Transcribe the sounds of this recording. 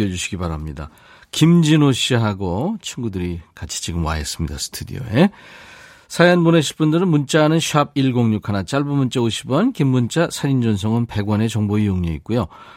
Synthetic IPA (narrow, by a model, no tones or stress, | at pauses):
ʌd͡ʑuɕʰiɡibaɾamɲida̰ | kimd͡ʑinoɕʰiɦaɡot͡ɕʰiŋɡudɯɾikat͡ɕʰi̥t͡ɕiɡɯmwa̰ɦes͈ɯmɲida̰sʰɯ̥tʰudḭo̰e | sʰajanmuneɕʰiɭp͈undɯɾɯnmunt͡ɕ͈aɦanɯnɕʰiab̚iɭɡoŋɲukʰanat͡ɕ͈aɭbumunt͡ɕ͈aoɕʰibʌnkimːunt͡ɕ͈asʰaɾind͡ʑʌns̬ʰʌŋɯnpe̞ɡwʌne̞t͡ɕʌŋboijoŋɲeit̚k͈ujo